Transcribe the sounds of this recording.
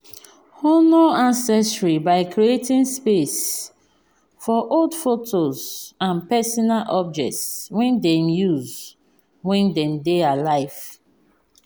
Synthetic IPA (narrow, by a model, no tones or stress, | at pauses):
honoãnsɛstɹibaɪkɾietĩnspes | fɔʔoldfotʰozãnpɛsɔnalʔɔb̚d͡ʒɛ̰k̚tswɛ̃ndɛ̃mjuz | wɛ̃ndɛ̃mdealaɪv̥